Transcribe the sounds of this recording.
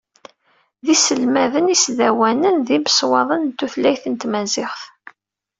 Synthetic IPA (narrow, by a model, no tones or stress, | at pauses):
ðisəlmæðənisðæwænənðiməswɑðˤənt̪ːuθlæjθənt̪mæzɪʁθ